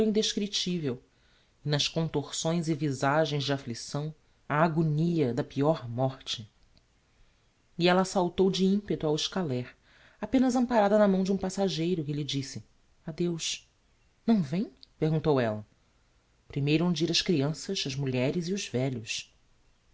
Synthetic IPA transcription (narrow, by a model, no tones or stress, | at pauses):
ĩnd̪eʃkɾit͡ʃivew | ɪnɐʃkõnt̪oɾsõj̃zɪvizaʒẽj̃zd͡ʒɪaflisɐ̃w̃ | ɐːɡoniɐd̪ɐpiɔɾmɔχt͡ʃɪ | iɛlɐːsawt̪owd͡ʒɪĩmpet̪ʊawɪʃkalɛɾ | apẽnɐzɐ̃mpaɾad̪ɐnɐmɐ̃w̃d͡ʒɪũpasaʒejɾʊkɪʎɪd͡ʒisɪ | ad̪ewʃ | nɐ̃w̃vẽj̃pehɡũnt̪owɛlɐ | pɾimejɾuũd͡ʒiɾɐʃkɾiɐ̃sɐʃɐʒmuʎɛɾɪziʊzvɛʎʊs